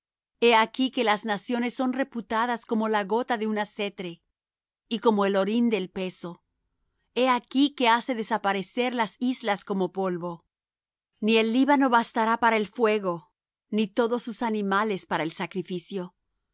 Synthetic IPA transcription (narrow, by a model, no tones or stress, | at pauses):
e̞akike̞laznasjo̞ne̞sːo̞nre̞put̪aðasko̞mo̞laɣo̞t̪aðe̞unase̞t̪ɾe̞ | iko̞mo̞e̞lo̞ɾind̪e̞lpe̞so | e̞akike̞ase̞ðe̞sapaɾe̞se̞ɾlasizlasko̞mo̞po̞lβo̞ | nie̞lːiβano̞βast̪aɾapaɾae̞lfwe̞ɣo̞ | nit̪o̞ðo̞susanĩmale̞spaɾaelsakɾifisjo̞